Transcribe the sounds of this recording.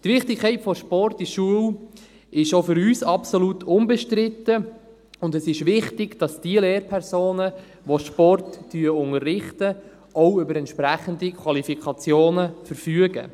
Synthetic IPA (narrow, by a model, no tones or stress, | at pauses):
t̪ʋɪχtɪkʰːɛɪtfɔʃpɔrtiʃuəw | ɪʃofʏɾyːsɑpsolutʰʊnbɛʃtɾɪtə | ʊndɛsɪʃʋɪχtɪɡd̥ɑsd̥iəleːrpʰɛɾsoːnə | ʋoʃpɔrtːyəʊŋərːɪχtə | ɔʊʏbəɾɛntʃpɾæχəndikʰwɑlifikʰɑt͡sjoːnəfəɾfyəɡə̰